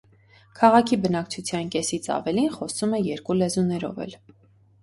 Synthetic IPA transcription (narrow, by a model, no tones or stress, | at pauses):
kʰɑʁɑkʰibənɑk̚t͡sʰut͡sʰjɑnkɛsit͡sʰɑ̰vɛlinχɔsumɛjɛɾkulɛzunɛɾɔ̰vɛ̰l